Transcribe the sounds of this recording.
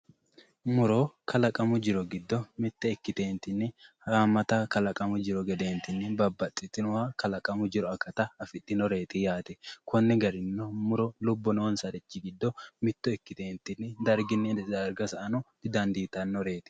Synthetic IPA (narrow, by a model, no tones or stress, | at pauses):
mʊɾokʰɐlɐkʼɐmʊd͡ʒɪɾɔɡɪd̪ːɔmɪt̪ːɛɛkːɪt̪eːnt̪ːɪnːɪhaːmːɐt̪ɐkɐlɐkʼɐmʊd͡ʒɪɾɔɡɛd̪e̞ːnt̪ɪnːɪbɐbːɐt̪ʼːɪt̪ːɪnʊwakɐlɐkʼɐmʊd͡ʒɪɾɔɐkːɐt̪ɐɐfɪt̪ːɪnɔɾe̞ːt̪ɪjaːt̪ɛkʰɔnːɛɡɐɾɪnːɔmʊɾɔlʊbːɔnoːnsɐd̪ɛt͡ʃːɪɡɪd̪ːɔmɪt̪ːɔɛkːɪt̪eːnt̪ːɪnːɪd̪ɐɾɡɪnːɪd̪ɐɾɡɐsɐʔɐnɔd̪̥ɪd̪ɐnd̪iːt̪ɐnːɔɾe̞ːt̪ɪ̥